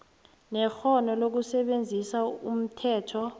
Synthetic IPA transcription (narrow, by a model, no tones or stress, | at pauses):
nɛxɔnɔlok̬usɛɓend͡zʱisaṵm̩tʰɛːtʰɔ